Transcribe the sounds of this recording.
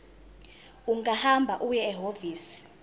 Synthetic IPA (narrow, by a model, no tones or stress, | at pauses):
uŋahambʱaʔujɛːɦoviːsi̥